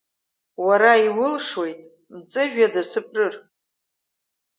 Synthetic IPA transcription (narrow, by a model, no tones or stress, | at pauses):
waɾaiwʊlʂwe̞jtʼ | mt͡sʼɨʒᶣadasɨpʰrɨr